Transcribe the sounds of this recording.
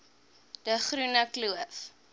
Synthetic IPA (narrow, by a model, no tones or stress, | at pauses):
d̥əχrunəkluəf